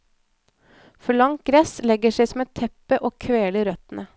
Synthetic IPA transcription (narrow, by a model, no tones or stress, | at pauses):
fɔɭɑŋt̪̚ɡɾɛslɛɡəʂæɪsɔmɛt̪ʰːɛpəʔoːkʰʋeːləɾœt̪nə